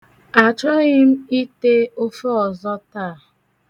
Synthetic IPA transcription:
a˨t͡ʃɔ˦ɣɪ˦m̩˦i˦te˦o˦fo˦ɔ˨zɔ˦taː˦˨

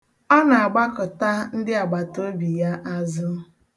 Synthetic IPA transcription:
ɔ˦na˨a˨ɡ͡ba˦kʊ˨ta˦n̩˦dɪ˦a˨ɡ͡ba˨to˦bi˨ja˦ʔa˦zʊ˦

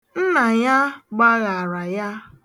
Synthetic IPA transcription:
n̩˦na˨ja˦ɡ͡ba˦ɣa˨ɾa˨ja˦

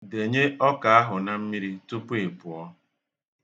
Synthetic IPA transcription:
de˨ɲe˦ɔ˦ka˨a˦ɦʊ˨na˨m̩˦mi˦ɾi˦tu˦pu˦e˨pʊ˨ɔ˦

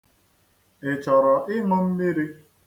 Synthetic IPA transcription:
ɪ˨t͡ʃɔ˨ɾɔ˨ʔɪ˦ŋɔ˦m̩˦mi˦ɾi˦

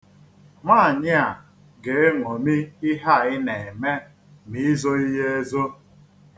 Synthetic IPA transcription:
ŋʷa˦˨ɲɪ˦a˨ | ɡe˨e˦ŋʷɔ˨mi˦ɪ˦ɦa˦˨ɪ˦ne˨me˦ | mi˨˦zo˦i˦ɦe˦e˦zo˦

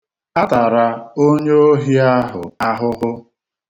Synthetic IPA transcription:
a˦ta˨ɾa˦o˦ɲe˦o˦ɦi˦a˦ɦʊ˨a˦ɦʊ˦ɦʊ˦

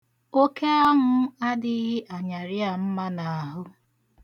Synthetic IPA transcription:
o˦ke˦a˦ɦʊ˦a˦dɪ˨ɦɪ˦ʔa˨ɲa˨ɾɪ˦a˨m̩˦ma˦na˨a˨ɦʊ˦

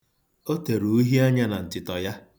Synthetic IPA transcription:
o˦te˨ɾu˨u˦ɦi˦a˦ɲa˦na˨n̩˨tɪ˨tɔ˨ja˦

